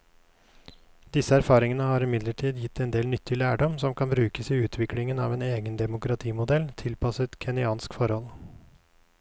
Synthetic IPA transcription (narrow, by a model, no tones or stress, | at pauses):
d̪ɪsəæɾfɑːɾɪŋənəhɑːɾɪmɪd̪ləʈʰiːd̪jɪt̪ʰːɛnd̪eːlnʏt̪ʰːɪlæːɖɔmsɔmkɑnbɾʉːkəsiːʉːt̪ʰʋɪklɪŋənɑːʋeːneːɡənd̪ɛmʊkɾɑt̪ʰiːmʊd̪ɛlt̪ʰɪlpʰɑsət̪kʰɛnɪɑːnskfɔɾhɔl